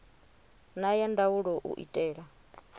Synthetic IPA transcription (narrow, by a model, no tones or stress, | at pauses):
najandawuɺɔʔṵʔḭtʼɛːɺa